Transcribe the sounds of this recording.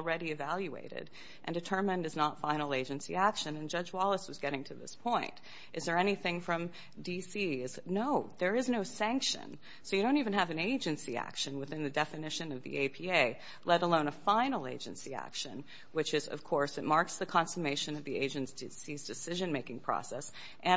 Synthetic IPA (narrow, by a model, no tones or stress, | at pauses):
l̩ˠɹɛɾiɨvælˠjʉḛɪɾɪ̰ɾ | ʔndɨtʰɜ̃˞mɨ̃ndɨznətfãɪ̃nl̩ˠeɪd͡ʒɨ̃nsḭækʃɨ̃nɨ̃nd͡ʒʌd͡ʒwɑlˠəswʌzɡɛɾɪ̃ŋtʰɨðɪ̰spʰɔ̃ɪ̃nt | ʔɨzðə˞ɛñiθɪ̃ŋfɹʌ̃m | disiɪznoʊðə˞ɨznoʊsæ̃ŋkʃɨ̰̃n | soʊjɨɾõʊ̃ntivɨ̃nɨvɨ̃neɪd͡ʒɨ̃nsiæ̰kʃɨ̃nwɨθɪ̃nðɨdɛfɨnɪʃɨ̃nʌvðḭʔeɪpʰieɪ | lɛɾəlõʊ̃nəfãɪ̃nl̩ˠḛɪd͡ʒɨ̰̃nsiæ̰kʃɨ̰̃n | wɨt͡ʃɨzʌ̰v̥kʰɔɹsɨt̚mɑɹksðɨkʰɑ̃nsəmeɪʃɨ̃nʌvðieɪd͡ʒɨ̃ntsd̥ɨsizdɨsɪʒɨ̃nmeɪkɪ̃ŋpʰɹ̥ɔ̰sɛs | ʔɨ̃